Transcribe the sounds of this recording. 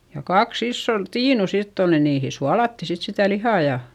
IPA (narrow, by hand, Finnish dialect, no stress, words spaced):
jɑ kɑks isːon tiːnu sitː ol ni niːhi suɑlɑtːi sit sitæ lihɑˑ jɑ